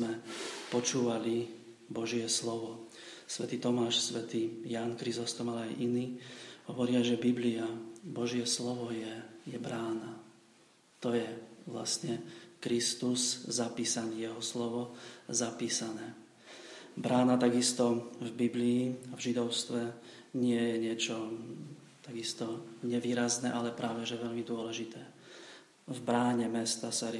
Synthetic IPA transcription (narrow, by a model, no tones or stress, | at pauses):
mɛpɔt͡ʃuːʋali | bɔʒɪɛslɔʋɔ | sʋɛt̪iːt̪ɔmaːʃsʋɛt̪iːjaːnkɾizɔst̪ɔmalajʔiniːɦɔʋɔɾɪaʒɛbibliabɔʒɪjɛslɔʋɔjɛjɛbɾaːna | t̪ɔjɛʋla̰sɲɛkɾist̪uszapiːsaniːjɛɦɔslɔʋɔzapiːsanɛː | bɾaːnat̪aɡist̪ɔvbibliːavʒid̪ɔʊst̪ʋɛ | ɲɪɛjɛɲɪɛt͡ʃɔ | t̪aɡist̪ɔɲɛʋiːɾaznɛːʔalɛpɾʔaːʋɛʒɛʋɛʎmid̪ʊɔlɛʒit̪ɛː | vbɾaːɲɛmɛst̪asaɾ